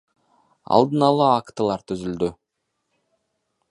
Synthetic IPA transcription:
ɑ̰lˠd̪ɯnɑlˠɑːkt̪əlˠɑɾt̪ʰyzyld̪y

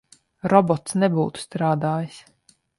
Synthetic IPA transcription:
ɾɔbɔt̪snɛbuːt̪u̥st̪ɾaːd̪aːjis

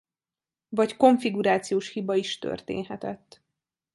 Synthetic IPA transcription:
vɒcko̞ɱfiɡuɾaːt̪sijoːʃhibɒiʃt̪ø̰rt̪ḛːnɦɛt̪ɛt̪ː

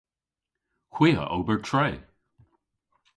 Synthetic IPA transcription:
kʰwiːə̰ʔo̰ːbəɹtʰɹeː

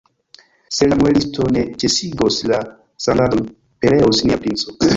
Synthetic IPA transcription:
selamoelistʰonet͡ʃesiɡosla | sanadon | peleosniapɾint͡so

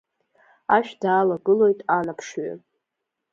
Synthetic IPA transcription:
aʃᶣdaːlaɡɨlo̞jtʼanapʰʂɥa̰

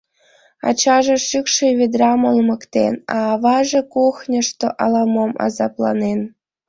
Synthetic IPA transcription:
ɑ̰t͡ɕɑʒĕʃykʃeβʲed̪rɑmolmɤ̆kt̪ḛnɑːβɑʒĕkuxnʲɤ̆ʃt̪oʔɑlɑmomɑ̰zɑplˠɑ̰nen

